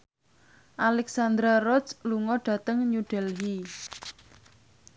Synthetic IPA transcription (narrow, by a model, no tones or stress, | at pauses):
ʔalɛksand̪ɾarɔt͡ʃluŋɔɖ̥ä̤t̪əŋɲuɖ̥ɛ̤lɦi